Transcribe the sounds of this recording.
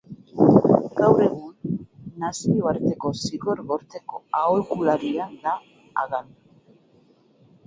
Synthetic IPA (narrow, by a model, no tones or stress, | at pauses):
ɡawre̞ɣ̞unːasioaɾt̪e̞ko̞siɣo̞ɾɣo̞ɾt̪e̞ko̞aolkulaɾiand̪a | a̰ɣan